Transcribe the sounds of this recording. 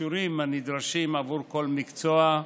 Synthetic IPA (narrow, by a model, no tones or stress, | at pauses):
uɾimanid̪ɾaʃimavuɾko̞lmikt͡soa